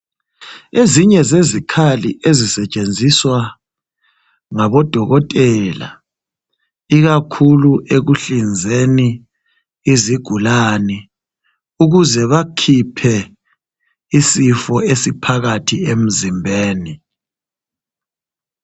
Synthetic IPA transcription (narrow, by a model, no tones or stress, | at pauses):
eziɲɛzezikʰaliʔezisɛt͡ʃʼend͡zʱiswa | ŋaβɔd̥ʱɔɣɔtʼɛla̰ | iɣakʰuluʔeɣuɬind͡zʱeniː | ziɡ̥ʱulani | uɣuzɛβakʰipʰɛ | isifɔesipʰaɣatʰiem̩zimbʱeːni